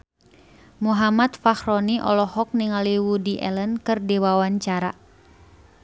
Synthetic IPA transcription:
muɦamat̪̚fahrɔniʔɔ̰lɔhɔk̚niŋaliwudiʔɛ̰lənkɨrdiwawaɲt͡ʃaɾa̰

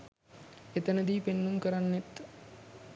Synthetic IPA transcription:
et̪ənəd̪iːpenːuŋkəɾanːet̪

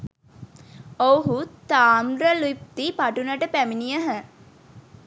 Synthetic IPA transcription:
owɦut̪aːmɾəluip̚t̪ipaʈunəʈəpæminijəɦə

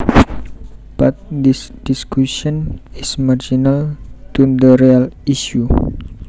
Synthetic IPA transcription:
bat̪̚did̥iskusiɔnismard͡ʒinalt̪undəɾialiʃu

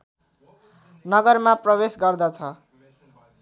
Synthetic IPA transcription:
nʌɡʌrmaprʌbesɡʌrd̪ʌt͡sʰʌ

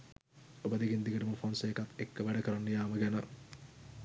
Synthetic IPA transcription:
obɐd̪iɡind̪iɡəʈuməfonseːkat̪ːekːəʋæɖɐkəɾɐnːɐjaːməɡænə

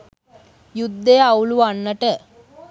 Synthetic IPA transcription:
jud̪ʱːeɐwluanːəʈə

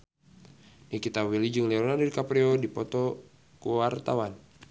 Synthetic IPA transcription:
nikit̪awilid͡ʒɨŋlɛɔnadirkapɾɛɔdipɔt̪ɔ | kuwart̪awan

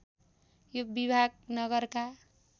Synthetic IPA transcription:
jobibʱaɡ̚nʌɡʌɾka

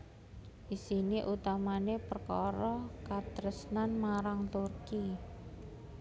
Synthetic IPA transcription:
ʔisiniʔut̪amanepərkɔ̰ɾɔkat̪ɾəsnanmaɾaŋt̪urki

